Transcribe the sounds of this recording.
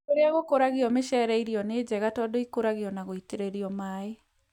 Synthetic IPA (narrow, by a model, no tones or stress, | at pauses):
oɾeaɣokoɾaɣiɔmeʃɛɾɛiɾiɔneːd͡ʑɛɣatɔdoikoɾaɣiɔnaɣoiteɾeɾiɔmaːe